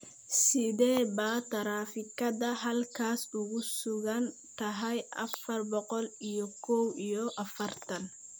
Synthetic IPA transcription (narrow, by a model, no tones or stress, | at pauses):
sɪðɛːbaːt̪ʰɐɾaːfɪkɐðɐɦɐlkʰaːsʊɣʊsʊɣɐnt̪ʰɐɦɛjʔɐ̰fɐrbɔqɔlijɔkʰɔwijɔʔɐfɐrt̪ʰɐn